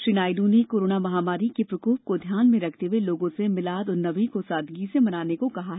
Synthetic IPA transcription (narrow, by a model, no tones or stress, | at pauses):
ʃɾiːnaːjd̪ũnekoːɾoːnamɐɦaːmaːɾikepɾɐkoːp̚kod̪ʱjaːnmẽɾɐkʰt̪eɦweloːɡõsemɪlaːd̪ɔːɾnɐʋĩkosaːd̪ʱɡisemɐnaːnekokɐɦaɦɛ